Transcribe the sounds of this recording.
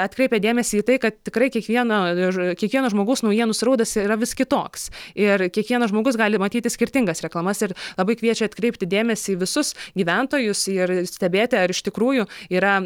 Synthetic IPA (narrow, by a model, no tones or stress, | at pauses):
ɐt̪ʲkɾʲɛɪpʲɛd̪ʲeːmʲɛsʲiːt̪ɐɪkɐt̪̚tʲɪkɾɐɪkʲiɛkʋʲiɛnokʲiɛkʋʲiɛnɐʒmoːɡɐʊsnɐʊjiɛnʊsʲɾɐʊd̪ɐsrɐʋʲɪskʲɪt̪oːksɪrkʲiɛkʋʲiɛnɐʒmoːɡʊs̬ɡɑːlʲɪmɐt̪ʲiːt̪ʲɪsʲkʲɪɾʲt̪ʲɪŋɡɐsɾʲɛklˠɐmɐsɪrlˠɐbɐɪkʋʲiɛt͡ʃʲɛɐt̪ʲkɾʲɛɪpʲt̪ʲɪd̪ʲeːmʲɛsʲɪːʋʲɪsʊsɡʲiːʋʲɛnt̪oːjʊsɪrsʲt̪ʲɛbʲeːt̪ʲɪɐɾɪʃt̪ʲɪkɾuːjʊiːɾɐ